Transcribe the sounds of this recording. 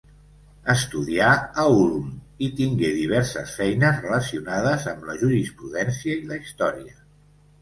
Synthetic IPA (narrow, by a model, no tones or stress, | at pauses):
əst̪uðiaːulm | it̪iŋɡeðiβ̞ɛɾsəsfɛjnəzrələsiunaðəzəmləʒuɾispɾuðɛnsiəiləist̪ɔɾiə